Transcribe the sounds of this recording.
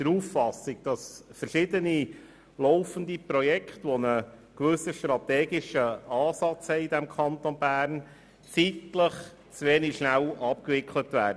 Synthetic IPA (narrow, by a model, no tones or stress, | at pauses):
d̥əɾuːfːɑsɪɡ̚d̥ɑsfəɾʃɪd̪əni | lɔʊfəndipɾɔjɛkχtʋɔnəkʋɵsəʃtɾɑt̪ɛːɡɪʃəɑːsɑt͡shɛɪidɛmkʰɑnt̪onbæːɾn | t͡sitləχ | t͡sʋeːnikʃnælʔɑp̚kvɪkʰlətʋæːd